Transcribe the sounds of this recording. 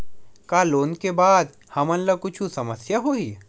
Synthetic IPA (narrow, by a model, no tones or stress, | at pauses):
kaːloːnkebaːd̪ | hɐmɐ̃nlɐkʊt͡ʃʰũsɐməsjaɦoːiː